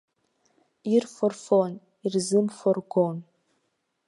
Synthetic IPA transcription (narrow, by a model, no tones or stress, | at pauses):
irfɔrfon | irzɨmfɔrɡʷon